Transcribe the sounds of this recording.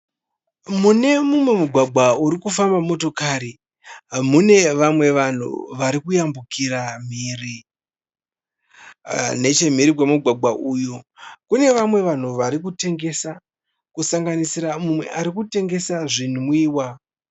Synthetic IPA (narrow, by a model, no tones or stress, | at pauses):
mune̞mumwe̞muɡʱwaɡʱwauɾikufambamo̞to̞kaɾi | mune̞ʋamwe̞ʋan̤ṵʋaɾikujambukiɾam̤iːri | ne̞t͡ʃe̞m̤iɾikwemuɡʱwaɡ͡bʱaʔuːjokune̞ʋamwe̞ʋan̤uʋaɾik̬ute̞ŋɡe̞sa | kusaŋɡanisiɾamumwe̞̰ʔaɾikute̞ŋɡe̞saʐin̤umwiːwa